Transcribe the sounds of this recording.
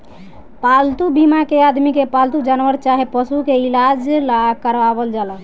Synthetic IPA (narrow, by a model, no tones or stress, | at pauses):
palt̪ubimakead̪mikepalt̪ud͡ʒanʋəɾt͡ʃaɦepəsukeilad͡ʒlakəɾʋabəld͡ʒalə